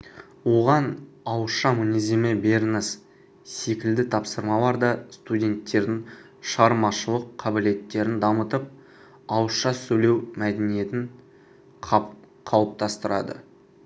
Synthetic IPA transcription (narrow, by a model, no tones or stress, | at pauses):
wo̞ʁɑnɑwəʃɑmʊnezemɪbeɾnəs | se̞kʲɪld̪ɪt̪ʰɑpsəɾmɑlˠɑɾd̪ɑst̪udʲe̞nt̪ːe̞ɾd̪ɪŋ | ʃɑɾmɑʃəlˠəqʰːɑbɪle̞t̪ːe̞ɾɪnd̪ɑmət̪əp̚ | ɑwəsʃɑsɵle̞wmæd̪enije̞t̪ɪŋʰ | qʰɑwəp̚t̪ɑst̪əɾɑ̰d̪ə̰